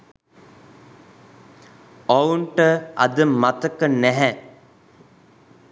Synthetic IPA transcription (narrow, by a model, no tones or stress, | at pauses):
ouɳʈəa̰d̪əmat̪əkənæɦɛ